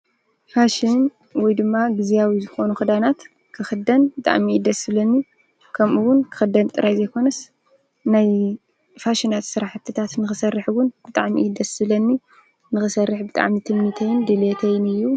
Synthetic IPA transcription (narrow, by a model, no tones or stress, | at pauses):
faʃɪn | wɔjd̪ɨmːaɡɨzijawizɨxo̞nuxɨd̪anat̪ | kʰɨxɨd̪ɐnbɨt̪ʼa̰ʕmiid̪ɐsɨβlɐnːi | kʰɐmʔuwʊnkʰɨ̥xɨd̪ːɐnt̪ʼɨɾajzɐjkʰo̞nɐs | naj | faʃɪnat̪sɨɾaħt̪ʰːɨt̪ʰat̪nɨxɨsɐrːɨħwʊnbɨt̪ʼaʕmḭɨd̪ɐsɨlɐnːi | nɨxɨsɐrːɨħbɨt̪ʼa̰ʕmit̪ʰɨmit̪ʰɐjɪnd̪ɨlet̪ʰɐjnɨjːu